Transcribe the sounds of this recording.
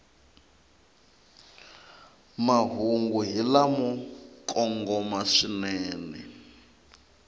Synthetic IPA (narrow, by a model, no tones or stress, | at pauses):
maɦuŋɡuɦilamukʼɔŋɡɔmaʂinɛːnɛ̰